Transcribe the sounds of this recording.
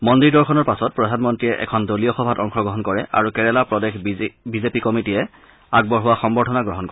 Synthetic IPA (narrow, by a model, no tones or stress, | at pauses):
mɔndiɹdɔɹkʰɔnɔɹpasɔt̚pɹɔdʱanmɔntɹijɛʔɛ̰kʰɔndoliɔxɔbʱatɔŋxɔɡɹɔɦɔnkɔɹɛʔa̰ɹukɛɹɛlapɹɔdexbizepikɔmitijɛ | aɡ̚bɔɹɦʊwaxɔmbɔɹtʰɔnaɡɹɔɦɔnkɔɹɛ